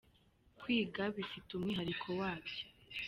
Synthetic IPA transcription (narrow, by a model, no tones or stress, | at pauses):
kwiːɡaβifitumŋiːɦaɾikʰo̞waːβjo̥